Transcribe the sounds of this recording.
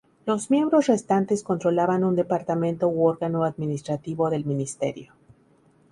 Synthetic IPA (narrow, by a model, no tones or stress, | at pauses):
lo̞zmje̞mbɾo̞sre̞st̪ant̪e̞sko̞nt̪ɾo̞laβanund̪e̞paɾt̪amẽ̞nt̪o̞woɾɣano̞aðmĩnist̪ɾat̪iβo̞ðe̞lmĩnist̪e̞̰ɾjo̞